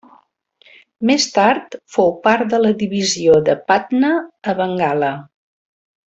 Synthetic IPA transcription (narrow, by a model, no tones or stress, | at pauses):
mest̪aɾt̪fowpaɾt̪d̪ələðiβizioðəpat̪nəːβəŋɡalə